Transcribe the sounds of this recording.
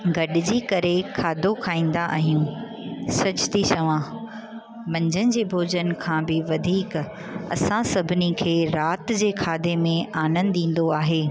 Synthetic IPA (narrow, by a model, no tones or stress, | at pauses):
ɡɐɗɪd͡ʑiːkɐɾekʰaːd̪ʱokʰaːĩːn̆d̪aʔa̰ɦijũ | sɐt͡ɕʊ̥t̪ʰit͡ɕɐʋã | mɐ̃ɲd͡ʑʱənɪd͡ʑeːbʱoːd͡ʑənkʰãːbɪʋɐd̪ʱiːk | ɐ̰sãsɐbʱɪnikʰeːɾaːt̪d͡ʑeːkʰaːd̪emẽaːnə̃nd̪ɗĩːn̆d̪oaːɦeː